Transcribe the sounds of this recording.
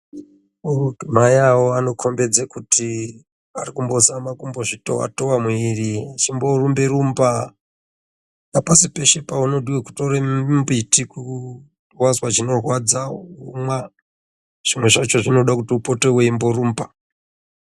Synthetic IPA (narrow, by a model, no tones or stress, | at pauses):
urudumajawoano̞kʰo̞mbe̞d͡zekutʰi | arikumbo̞samakumbo̞ʐito̞̰a̰towamwirit͡ʃimbo̞rumbeɾumba | napasipe̞ʃe̞pauno̞dʱiweku̥toɾembitiku | rwazwat͡ʃino̞rwad͡zaumwa | ʐ̥imwe̞ʐat͡ʃo̞ʐino̞ɗakutiupo̞to̞weimbo̞ruːmba